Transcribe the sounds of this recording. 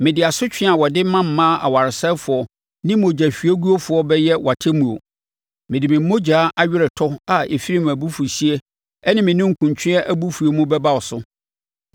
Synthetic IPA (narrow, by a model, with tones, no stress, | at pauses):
mɪ̃˨dɪ˨a˨sʊ˦t͡ɕᶣɪ̃˦a˨wɔ˨dɪ˦mã˦m̩˨mːãː˦ʔa̰˨wa˨ɾɪ˨sɛ˦fʊ˨ɔ˨ | nɪ̃˦mo˨d͡ʑa˨ɕᶣi˨æ˦ɡu˦o˦fʊ˨ɔ˦bɛ˦jɛ˦wʔa˨tʰe˦mũ˨o̰˨ | mɪ̃˨dɪ˨mɪ̃˨m˦mo˦d͡ʑaː˨˦ʔa˦ɥᶣɪ˦ɾɛ˨tʰɔ˦a˨ḛ˨fi˦ɾi˦m˨æ˨bu˦fu˨si˦e˦ | ɛ˦nɪ̃˦mɪ̃˨nʊ̃˦ŋ̩˨kʰũ˨ɲ˨t͡ɕʰᶣɪ̃˦ɛ˦ʔæ˦bu˦fu˨e˨mũ˦bɛ˦ba˦˨wɔ˨sʊ˦